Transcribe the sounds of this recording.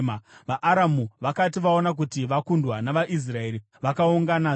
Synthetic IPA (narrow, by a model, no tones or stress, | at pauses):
maʋaʔaɾamuʋakatiʋao̞nak̬utiʋakundwanaʋaʔis̬rae̞ɾi | ʋakauŋɡana